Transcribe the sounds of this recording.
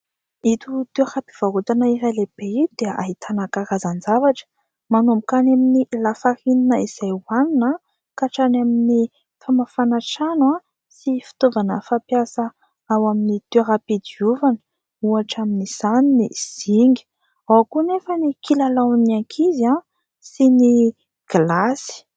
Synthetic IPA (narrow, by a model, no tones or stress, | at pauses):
it̪ut̪eɾapi̥v̥aɦut̪anaiɾaleb̥eid̪̥eaʔaɦit̪ʰanakaɾazand͡zavaʈ͡ʂə̥ | manumbukanaminilafahininəiz̥ajuanina | kaʈ͡ʂanamini | famafanaʈ͡ʂanwa | sifi̥t̪ovanəfapjasə | awaminit̪eɾapid̪iuvanə̥ | uaʈ͡ʂaminiz̥aniniz̥iŋɡi̥ | awkunefənikilalaniaŋkʰiza | sini | ɡ̥lasi̥